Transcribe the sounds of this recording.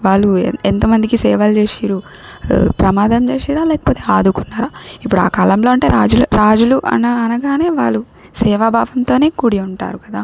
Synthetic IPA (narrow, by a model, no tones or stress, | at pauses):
ʋaːɭːṵent̪ɐmɐnd̪ikisɛːʋɐlt͡ʃeːʂiːɾu | pɾɐmaːd̪ɐmt͡ʃeːʂiːɾaːlɛːkɐ̥poːt̪e̞ːaːd̪ukunːaːɾaːipːuɽua̰ːkaːlɐmlo̞ːɐɳʈe̞ːɾaːd͡ʒulɾaːd͡ʒuluʔɐ̰nɐːnɐɡaːne̞ːʋaːɭːu | sɛːʋɐbʱaːʋɐnt̪o̞ːne̞ːkuɽiuɳʈa̰ːɾukɐd̪aː